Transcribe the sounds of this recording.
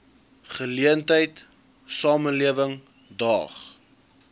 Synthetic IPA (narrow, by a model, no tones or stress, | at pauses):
χəliəntəjt | sɑːməliəvəŋ | dɑ̰ːχ